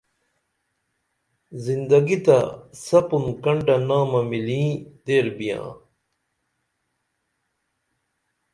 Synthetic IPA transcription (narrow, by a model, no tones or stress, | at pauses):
zind̪ɐɡit̪ɐ̰sɐpunkɐɳɖɐnaːmɐmilĩːd̪eːɾbijã̰ː